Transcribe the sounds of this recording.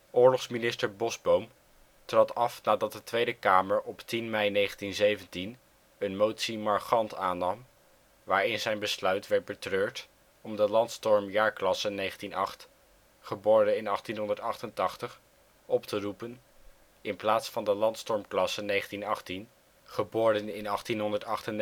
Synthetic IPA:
ʔʊːɹlɔχsminɪstəɹbɔzbowm | trɑtɑfnaːdɑt̚dətʋejdəkaːməɹʔɔptinmɛjnejχəntinzejvəntin | ənmowtsimɑɹχɑntaːnɑm | ʋaːɹɪnzɛjnbəslœɥtʋɛɹt̚bətrøːɹt | ɔmdəlɑntstɔɹmjaːɹklɑsənejχəntinɑχt | χəboːɹdənɪnɑχtinɦɔndəɹtɑχtəntɑχtəχ | ʔɔptərupən | ɪnplaːtsfɑndəlɑntstɔɹmklɑsənejχəntinɑχtin | χəbʊːɹdənɪnɑχtinɦɔndəɹtɑχtən

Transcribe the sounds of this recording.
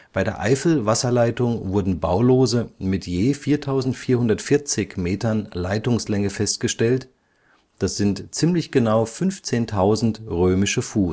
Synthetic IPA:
b̥aɪdeːɐʔa̰ɪfl̩vasɐlaɪtʊŋvʊɐdn̩ba̰ʊloːzəmɪtʰjeːfiːɐtʰaʊzn̩tfiːɐhʊndɐtfɪɐt͡sɪçmeːtɐnlaɪtʊŋslɛŋəfɛst̚ɡ̥əʃtɛlt | d̥asz̥ɪntt͡sɪːmlɪçɡ̥ənaʊfʏnft͡seːntʰaʊzn̩tʁøːmɪʃəfuː

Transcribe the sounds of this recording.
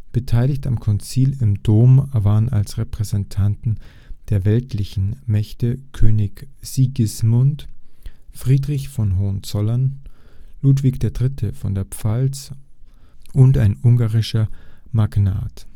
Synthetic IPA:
b̥ətʰaɪlɪçtamkʰɔnt͡siːlɪmdoːmvaːʁəna̰lsʁɛpʁ̥ɛzɛntʰantn̩ | d̥eːɐvɛltʰlɪçn̩mɛçtəkʰøːnɪkz̥iɡɪsmʊnt | fʁ̥iːdʁɪçfɔnɦɔɐnt͡sɔlɐn | luːtv̥ɪkd̥eːɐdʁɪtʰəfɔndeːɐpp͡falt͡s | ʔʊntaɪnʊŋɡaːʁɪʃɐmaɡna̰ːt

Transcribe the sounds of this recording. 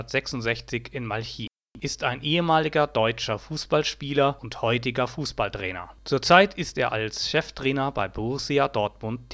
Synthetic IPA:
ɐtz̥ɛksʊntz̥ɛçt͡sɪçɪnmalçiː | ʔɪstaɪnʔeːəmaːlɪɡɐdɔʏt͡ʃɐfuːsb̥alʃpiːlɐʊnthɔʏt̬ɪɡɐfuːsb̥altʁ̥ɛ̰ːnɐ̰t͡suːɐt͡saɪtʰɪsteːɐʔa̰lsʃɛftʁ̥ɛːnɐba̰ɪbʊʁʊsiadɔɐtmʊntː

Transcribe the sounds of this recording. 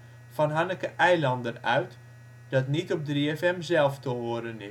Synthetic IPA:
fɔnɦanəkəʔɛjlɑndənœɥt | d̥ɑtnitɔp̚driɛfɛmzɛlˠftəʋoədənɪ

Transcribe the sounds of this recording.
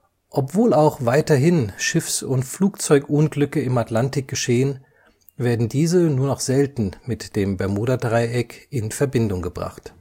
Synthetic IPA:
ʔɔpv̥oːlaʊxv̥aɪtɐɦɪnʃɪfsʊntfluːkt͡sɔʏkʔʊnɡlʏkəɪmatlantɪk̚ɡ̥əʃeːən | veːɐdn̩diːzənuːɐnɔχz̥ɛltn̩mɪtd̥eːmbɛɐmuːɾɐdʁaɪʔɛkɪnfɛɐbɪndʊŋɡəbʁa̰χt

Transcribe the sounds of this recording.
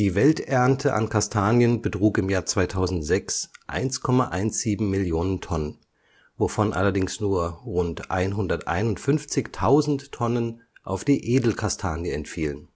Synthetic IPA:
d̥iːvɛltʔɛɐntʰəʔa̰nkʰastʰaːnjənbətʁ̥uːkɪmjaːɐt͡sv̥aɪtʰaʊzn̩tz̥ɛksʔa̰ɪnskʰɔmaʔaɪnsz̥iːbm̩mɪljoːnəntʰɔnən | vofɔnʔa̰lɐdɪŋsnuːɐʁʊntʔa̰ɪnɦʊndɐtʔa̰ɪnʊntfʏnft͡sɪçtʰaʊzn̩tʰːɔnən | ʔa̰ʊfd̥iːʔeːdl̩kʰastʰaːnjəɛntfiːlən

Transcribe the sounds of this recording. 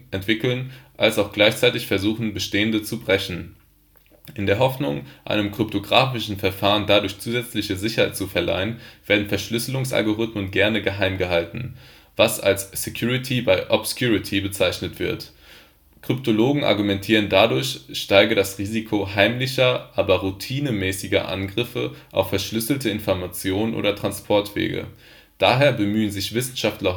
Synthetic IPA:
ʔɛntv̥ɪkl̩nʔalsaʊxɡ̥laɪçt͡saɪtɪçfɛɐzuːχn̩bəʃteːəndət͡subʁɛçn̩ | ʔɪndeːɐɦɔfnʊŋʔa̰ɪnəmkʁ̥ʏp̚tʰoɡʁaːfɪʃn̩fɛɐfaːʁəndadʊɐçt͡suːzɛt͡slɪçəzɪçɐhaɪtt͡sufɛɐla̰ɪənv̥eːɐdn̩fɛɐʃlʏsəlʊŋsʔa̰lɡoʁʏtmənɡɛɐnəɡəɦaɪmɡəɦaltn̩ | v̥asa̰lsːekʰjuːʁitʰibaɪʔɔpskjuːʁitʰibət͡saɪçnətv̥ɪɐt | kʁ̥ʏptʰoloːɡŋ̩ʔa̰ɐɡumɛntʰiːʁ̞əndadʊɐçʃtaɪɡədasʁiːzikʰoɦaɪmlɪçɐʔaːbɐʁutʰiːnəmɛːsɪɡɐ̰ʔa̰nɡʁɪfə̰ʔa̰ʊfɛɐʃlʏsl̩tʰəɪnfɔɐmat͡sjoːnənʔo̰ːdɐtʁ̥anspʰɔɐtv̥ḛːɡə̰ | d̥aːɦeːɐbəmyːənzɪçv̥ɪsn̩ʃaftlɐ

